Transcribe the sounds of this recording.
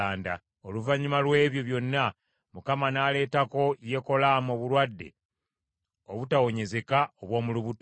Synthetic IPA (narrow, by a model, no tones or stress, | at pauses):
aːnda | o̞luvaɲimalwe̞ːβjo̞βjo̞nːa | mukamanaːle̞ːtako̞ije̞ko̞lamoβulwadːe̞̰ | o̞βutawo̞ɲe̞ze̞kaoβwo̞ːmuluβut